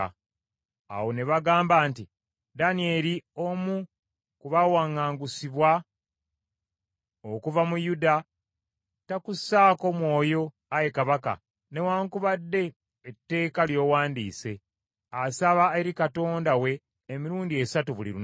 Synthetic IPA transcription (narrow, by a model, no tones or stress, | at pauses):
a̰wo̞ne̞βaɡaːmbaːnti | danie̞ɾio̞mu | kuβawaŋːaːŋɡusiβwa | okuvamujuda | takusaːko̞mwo̞ːjo̞ | aje̞kaβaka̰ | ne̞waːŋkuβadːe̞ː | tːe̞ːkaljo̞ːwaːndiːse̞ | asaβaeɾikato̞ːndawe̞ː | miɾuːndie̞satuβulḭɾu